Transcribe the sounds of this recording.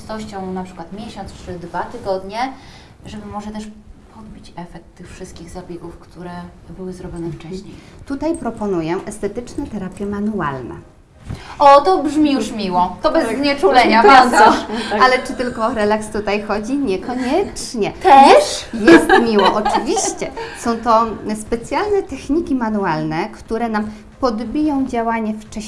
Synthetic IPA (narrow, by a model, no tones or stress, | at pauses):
st̪ɔɕt͡ɕɔ̃w̃napʂɘ̥kwat̪mʲjeɕɔnst͡ʂɘd̪vat̪ɘɡɔd̪ɲɛ | ʐɛbɘmɔʐɛt̪ɛʂpʰɔd̪̚bʲit͡ɕɛfɛk̚t̪ːɘxfʂɘst̪̚kʲiɣzabʲjeɡufkt̪uɾɛ | bɘwɘzɾɔbʲjɔnɛft͡ʂɛɕɲej | t̪ut̪ajpɾɔpɔnujɛʔɛst̪ɛt̪ɘt͡ʂnɛt̪ɛɾapʲjɛmanua̰lnɛ̰ | ɔt̪ɔbʐmʲijuʂmʲiwɔt̪ɔbɛzɲɛt͡ʂulɛɲavʲɛɔalɛt͡ʂɘt̪ɘlkɔːɾɛlakst̪ut̪ajxɔd͡ʑiɲɛkɔɲɛt͡ʂɲɛɛjɛʂjɛst̪mʲiwɔʔɔt͡ʂɨvʲiɕt͡ɕɛsɔ̃w̃t̪ɔspɛt̪sʲjalnɛt̪ɛxɲikʲimanualnɛkt̪uɾɛnam | pɔd̪bʲijɔ̃w̃d͡ʑawaɲɛft͡ʂɛ